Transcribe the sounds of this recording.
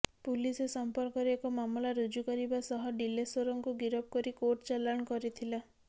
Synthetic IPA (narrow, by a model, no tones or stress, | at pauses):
pulisesɔmpɔɾkɔɾekɔmamlaɾud͡ʒukɔɾibasɔɦɔɖilesoɾɔŋkuɡiɾɔb̚kɔɾikoʈt͡ʃalaɽ̃ɔkɔɾit̪ʰila